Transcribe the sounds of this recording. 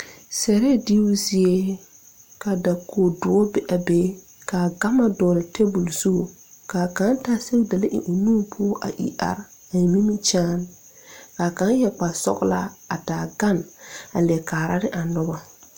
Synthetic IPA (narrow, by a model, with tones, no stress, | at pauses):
sɛ˨ɾɛ˦˨di˦zi˦e˦ | ka˨da˨ko˨dʊ˨ɔ˦bɛ˨ʔa˨beː˦ | ka˨ɡa˦ma˨dɔː˨lɪ˨te˦bu˨lsu˦o˨ | ka˨ka˨˦ntaː˦se˦wda˨le˦ʔɪ̰˨ʔu˨nũː˦pʰʊ˦ɔ˦ʔa̰˨ʔḭ˨ʔa̰˨ɾ | a˨mi˦mi˦t͡ʃaː˦n | ka˨ka˨˦n˦jɛ˨k͡pa˨sɔ̰˦ɡla̰˦a˨taː˨ɡa˦˨na̰˨lɛ˨kaː˨ɾa˦ɾɪ˦ʔa˨nɔ˦ba˦